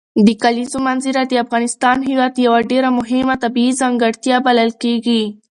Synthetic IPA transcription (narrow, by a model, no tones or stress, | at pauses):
d̪əkalizomanziɾad̪əafɣɑnɪst̪ɑnɦɪwɑd̪jawaɖeɾamʊɦɪmat̪abiizaŋɡəɽt̪jɑbaləlkeɡi